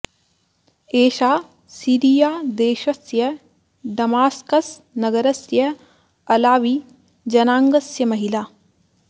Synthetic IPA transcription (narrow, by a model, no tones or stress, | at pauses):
eːʃaː | siːɾijaːd̪eːʃɐsjɐ | ɖɐmaːskɐsnɐɡɐɾɐsjɐ | ɐlaːʋi | d͡ʒɐnaːŋɡɐsjɐmɐɦilaː